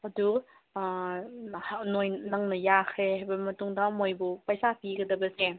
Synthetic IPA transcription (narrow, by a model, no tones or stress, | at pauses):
ɐdu | nojnɐŋnɐjakʰɾehajbɐmɐtuŋdɐmojbupajsapiɡɐdɐbɐse